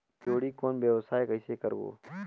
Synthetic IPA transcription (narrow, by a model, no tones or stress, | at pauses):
t͡ʃoːɽikoːnbjəʋsaːekəɪsekəɾbo̰ː